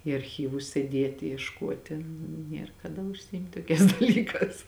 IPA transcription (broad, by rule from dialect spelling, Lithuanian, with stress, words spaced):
iː ɐrʲˈxʲiːʋʊs sʲeːˈdʲeːtʲɪ iɛʃˈkuɔtʲɪ ˈnʲiɛr kɐˈdɐ ʊʃʲsʲɪˈɪmʲtʲ ˈtoːˌkʲɛːs dɐˈlʲiːˌkɑːs